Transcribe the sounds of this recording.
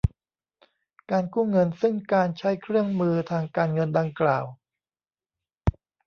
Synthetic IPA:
kaː˧nkuː˥˩ŋɤ˧nsɯ˥˩ŋkaː˧nt͡ɕʰa˦˥jkʰɾɯ˥˩əŋmɯː˧t̪ʰaː˧ŋkaː˧nŋɤ˧nda˧ŋklaː˨˩w

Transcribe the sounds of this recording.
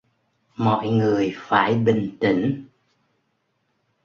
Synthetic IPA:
mɔ̰˧˨jŋɨ˨˩əjfaː˧˩jɓï˨˩ŋ̟t̪ï˧˩ŋ̟

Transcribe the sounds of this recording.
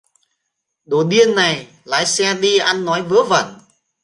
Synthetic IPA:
ɗo˧˩ɗi˧ənːa˨˩j | la̰ː˧˥jsɛ˧ɗi˧ʔa˧nːɔ˨˦jvə˨˦və̰˧˩n

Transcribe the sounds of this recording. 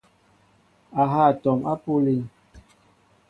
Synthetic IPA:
a˨ɦa˦˨tɔ˨ma˦po˦li˦ŋ

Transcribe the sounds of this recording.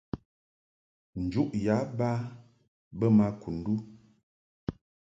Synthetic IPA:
n̩˨d͡ʒu˦ʔja˨˦ba˦ | bə˦ma˦kʰu˨n̩˦du˦

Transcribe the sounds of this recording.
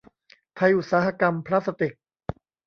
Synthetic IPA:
t̪ʰa˧jʔu˨˩t̪̚saː˩˦˥ɦa˧ka˧mpʰɾaː˦˥t̪sa˧t̪i˨˩k̚

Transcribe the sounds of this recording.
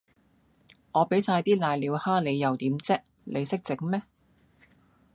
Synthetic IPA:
ŋɔː˨˧pe˨˥jsaː˧jt̪iː˥laː˧jliː˨˧whaː˥le˨˧jːɐ˨˩wt̪iː˨˥mt͡sɛː˥k̚ | lʔe˨˧jsɪ˥k̚t͡sɪ˨˥ŋ̚mɛː˥

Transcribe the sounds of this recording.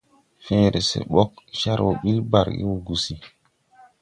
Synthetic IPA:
fẽː˦ɾe˨sḛ˨ɓɔ˦k̚ʃa˦ɾwo˨ɓi˦lba˨ɾɡḭ˦wo˨ɡu˨si˦

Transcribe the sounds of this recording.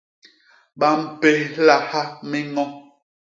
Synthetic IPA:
ɓa˨m̩˦pe˦la˨ha˦mi˦ŋɔ˦

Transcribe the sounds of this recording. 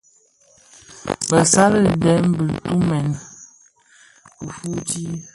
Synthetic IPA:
bə˨sa˦lə˦˨dɛ˨˦m̩˦bə˨tu˦mɛ˨n | ə˨fu˦ti˦

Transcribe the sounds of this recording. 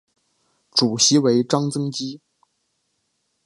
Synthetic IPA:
ʈ͡ʂu˨˩ɕi˧˥we˧˥ɪʈ͡ʂɑ˥ŋt͡sɤ˥ŋt͡ɕi˥

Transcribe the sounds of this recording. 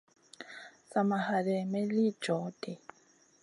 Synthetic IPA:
sa˨ma˨ha˨lɛ˨mɛ˦li̥˦d͡ʒɔ˨˦dɛ˨

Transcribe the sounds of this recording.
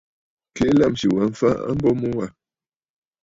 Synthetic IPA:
ke˦la˦˨mʃi˨wa˨ɱ̩˦fa˦a̰˦m̩˦bɔ˦mɔ˦wa˦˨

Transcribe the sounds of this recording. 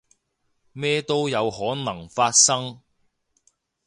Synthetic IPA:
mɛː˥t̪o˥wjɐ˨˧whɔː˨˥nɐ˨˩ŋfaː˧t̚sɐ˥ŋ

